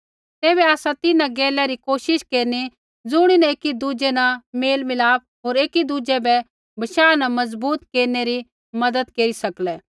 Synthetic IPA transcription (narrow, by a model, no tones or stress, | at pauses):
t̪ɛːbɛaːsãt̪ɪnãɡɛːlɛɾikoːʃɪʃkeːɾni | d͡zʊɽ̃inɐeːkid̪ud͡ʒɛnɐmeːlmɪlaːp̚ | ɦoːɾeːkid̪ud͡ʒɛbɛ | bɐʃaːnɐmɐzbuːt̪keːɾneɾi | mɐd̪əd̪keːɾisɐklɛː